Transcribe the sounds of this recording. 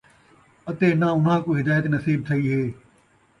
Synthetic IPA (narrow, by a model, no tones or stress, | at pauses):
ɐt̪enaʊnɦãːkoɦɪd̪aːjət̪nɐsiːb̚t̪ʰɐiɦeː